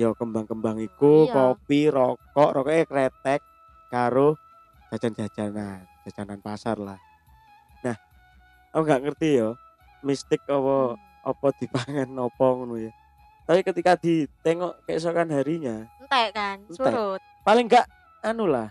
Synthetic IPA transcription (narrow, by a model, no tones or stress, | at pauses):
jɔkəmbaŋkəmbaŋikukɔpiɾɔkɔʔɾɔkɔʔakɾɛt̪ɛk̚ː | aɾo̥ | d͡ʒ̥a̤̥d͡ʒ̥and͡ʒ̥a̤̥d͡ʒ̥anand͡ʒ̥a̤̥d͡ʒ̥ananpasarlah | nah | akuŋɡaʔŋərt̪ijɔ | mist̪ɪk̚ɔpɔ | ɔpɔd̪̥i̤paŋɛnːɔpɔŋnujɔ | t̪apikət̪ikad̪̥i̤t̪ɛŋɔʔkɛʔs̬ɔkanɦaɾiɲant̪ɛkannɛt̪̚palɪŋɡaʔ | anulah